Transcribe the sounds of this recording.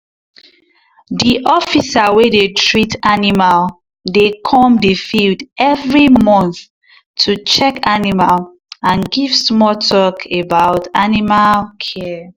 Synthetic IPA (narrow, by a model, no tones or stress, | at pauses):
diʔɔfisawedetʰɹitanimal | dekʰɔ̃mdefildɛvɹimɔ̃nθ | tʰut͡ʃɛkanimal | ãnɡivsmɔtʰɔkʰebaʊtanimalkʰɛ